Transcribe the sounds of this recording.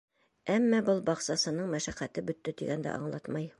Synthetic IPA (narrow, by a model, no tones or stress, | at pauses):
æmːæbɤlˠbɑqsɑsɤ̆nɤɴmæʃæχæt̪ɘbɵ̆t̪ːɘt̪iɡænd̪æ̰ʔɑ̰ɴlˠɑt̪mɑj